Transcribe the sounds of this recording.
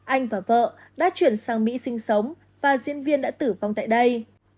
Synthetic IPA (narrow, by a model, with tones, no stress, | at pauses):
ʔa˧jŋ̟vaː˨˩və̰ː˧˨ | ɗa̰ː˧˥t͡ɕwi˧˩ənsaː˧ŋmḭ˧˥sï˧ŋ̟sə˨˦wŋ͡m | vaː˨˩zi˧ənvi˧ənɗa̰ː˧˥t̪ɨ˧˩va˨˩wŋ͡mt̪a̰ː˧˨jɗə˧j